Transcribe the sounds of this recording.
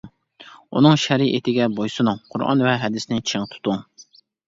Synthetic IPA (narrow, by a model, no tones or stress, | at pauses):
unɨŋʃɛɾiʔit̪ʰɪɡʲɛbojsɨnɨŋqʰʊ̰ɾɑ̰nvɛɦɛd̪ɪsnɪt͡ʃʰɪŋt̪ʰu̥t̪ʊŋ